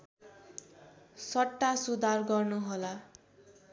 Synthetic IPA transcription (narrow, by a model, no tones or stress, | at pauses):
sʌʈːasud̪arɡʌrnuɦola